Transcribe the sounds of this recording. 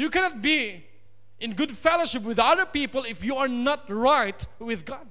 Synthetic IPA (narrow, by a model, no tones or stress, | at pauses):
jukɛnɔt̚bi | ɪ̃nɡʊdfɛloʃɪp̬̚wɪðaðə˞pipəlɪfjuaɹnɔt̚ɹaɪtwɪðɡɔd̚